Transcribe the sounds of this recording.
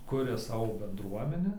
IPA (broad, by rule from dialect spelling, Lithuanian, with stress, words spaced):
ˈkʊrʲɛ ˈsɑːʋoː bʲɛndˈruɔmʲɛnʲæː